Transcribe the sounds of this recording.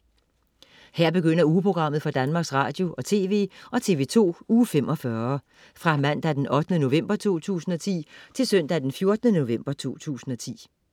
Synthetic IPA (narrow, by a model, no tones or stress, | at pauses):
hæɐ̰b̥e̝ɡ̥øn̰ɐuːpʰʁo̝ɡ̥ʁɑ̈m̰ð̞̩ˠfɒ̽d̥ænmɑ̈ːɡ̥sʁɑ̰̈ːd̥jo̝ʔɒ̽t͡sʰe̝ːʋe̝̰ːɒ̽t͡sʰe̝ːʋe̝ːt͡sʰo̝̰ːuːfemʔɒ̽fɶɐ | fʁɑ̈mæn̰d̥æd̥enʔɒ̽d̥ənəno̝ʋem̰b̥ɐt͡sʰo̝̰ːt͡sʰṵːsn̩ɒ̽t͡sʰḭːt͡sʰe̝lsœn̰d̥æd̥enfjo̝ɐd̥ənəno̝ʋem̰b̥ɐt͡sʰo̝̰ːt͡sʰṵːsn̩ɒ̽t͡sʰḭː